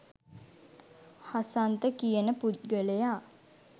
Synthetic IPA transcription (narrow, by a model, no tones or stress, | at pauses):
hasant̪əkijənəput̪ɡələjaː